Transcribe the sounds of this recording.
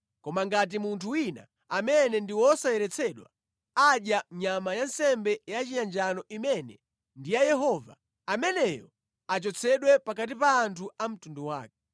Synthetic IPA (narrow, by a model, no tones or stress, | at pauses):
kɔmaŋɡat̬imuntʰuwina̰ | amɛnɛndiwɔsajɛɾɛt͡sʰɛɗwa̰ | aɗjaɲamajansɛmbɛjat͡ʃijand͡ʒanɔʔimɛnɛ | ndijajɛɦɔva̰ | amɛnɛjɔ̰ | at͡ʃɔt͡sʰɛɗwɛpak̬at̬ipaːntʰuam̩tunduwa̰ːk̚ɛ